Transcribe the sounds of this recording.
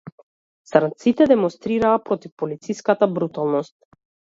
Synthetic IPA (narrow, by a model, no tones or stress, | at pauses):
saɾnt̪sit̪ɛd̪ɛmɔnst̪ɾiɾaːpɾɔt̪ifpɔlit̪sijskat̪abɾut̪alˠnɔst̪̚